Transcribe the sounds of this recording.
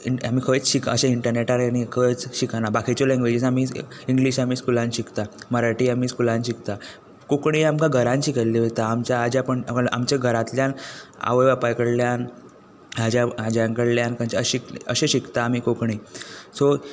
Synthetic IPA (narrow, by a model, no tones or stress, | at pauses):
iamiːkʰəjt͡sɕikə̰ɕaiɳʈəɾneʈaɾanikʰət͡sɕikanabakʰet͡ɕɔlɛ̃ŋɡʋed͡ʑesamiː | iŋɡliɕamiːskulãnɕikt̪aməɾaʈiːamiːskulãnɕikt̪a | kokɳ̃iːamkaɡʱəɾãnɕikalːiʋet̪aːmt͡ɕaːd͡ʑapəɳəɳa̰mt͡ɕaɡʱəɾãt̪ljana̰ʋəjʋapajkəɽljan | ɦad͡ʑaɦad͡ʑaŋkəɽljankaɲt͡ɕaəɕikə̰ɕeɕikt̪aːm̤iːkokɳiːso